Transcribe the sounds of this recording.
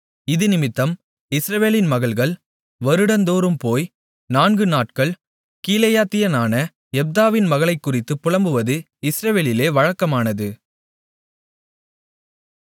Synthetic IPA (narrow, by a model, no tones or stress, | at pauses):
ɪðɯnɪmɪt̪ːɐm | ɪsɾɐʋeːlɪnmɐɣɐɭɣɐɭ | ʋɐɾɯɽɐnd̪oːɾɯmpoːj | naːnɡɯnaːʈkɐɭ | kiːlɐjaːt̪ːɪjɐnaːnɐ | ɛb̚d̪aːʋɪnmɐɣɐɭɐɪkːʊrɪt̪ːɯpːʊɻɐmbɯʋɐðɯ | ɪsɾɐʋeːlɪleːʋɐɻɐkːɐmaːnɐðɯ